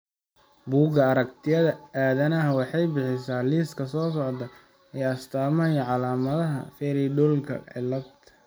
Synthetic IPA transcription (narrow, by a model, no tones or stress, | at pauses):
buːɡɐːɾɐk̚t̪ʰɪjɐðɐaːðɐnɐɦɐwɑħɑjbɪħɪsaːliːskʰɐsɔːsɔʕd̪ɐ | ɛːɐst̪ʰaːmɐjɐʕɑlaːmɐðɐɦɐ̰fɛːɾiɖɔlkʰɐ̰ʕɪ̰lːɐb̪t̪